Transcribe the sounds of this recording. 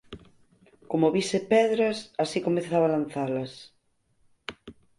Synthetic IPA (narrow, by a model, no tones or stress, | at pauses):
komoβisepɛðɾɐsasikomeθaβalanθalɐs